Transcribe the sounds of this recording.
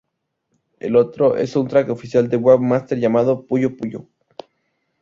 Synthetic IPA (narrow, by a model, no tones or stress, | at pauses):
elo̞t̪ɾoʔe̞̰sunt̪ɾakofisjald̪ewaɡmast̪eɾʝamað̞opuʝopuʝo̰